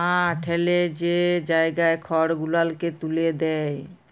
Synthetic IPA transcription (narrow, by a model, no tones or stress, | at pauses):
ɦãʈʰeled͡ʑed͡ʑaeɡaekʰɔɽɡulalket̪uled̪ɛj